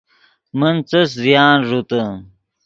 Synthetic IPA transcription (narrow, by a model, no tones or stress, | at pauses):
mənt͡sɐs̬zijaːnʐut̪ə